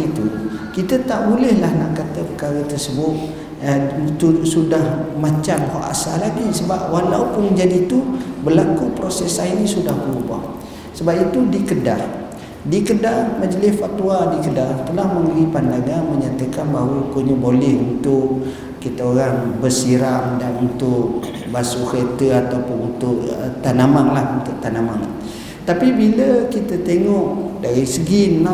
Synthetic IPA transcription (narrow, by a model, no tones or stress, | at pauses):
it̪ukit̪ət̪aʔbulɛhlahnaʔkat̪əpəkaɾət̪ərsəbʊt̪̚ | t̪usudahmãt͡ʃamha̰ʔa̰salaɡisəbap̚walawpʊnmə̃ɲd͡ʒadiːt̪ubəlakupɾosɛsainĩsudahbəɾubɔ̰h | səbap̚it̪udikədar | dikədarmad͡ʒəlɪsfat̪uadikədat̪əlahmə̃mbəɾipandaŋanməɲat̪əkanbaɦawəukoɲəbolɛhunt̪ʊʔ | kit̪aoɾaŋbərsiɾamdanunt̪ʊʔ̚ | basuket̪əat̪awpʊnunt̪ʊʔət̪anamaŋlahunt̪ʊʔ̚t̪anamaŋ | t̪apibiləkit̪ət̪eŋɔʔdaɾisəɡi